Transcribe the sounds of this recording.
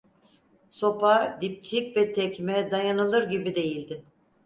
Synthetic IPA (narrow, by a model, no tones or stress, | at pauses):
so̞pad̪ip̚t͡ʃʰicʲvɛt̪ʰɛcmɛd̪ajanɯlˠɯɾɟibid̪e̞jilʲd̪ɪ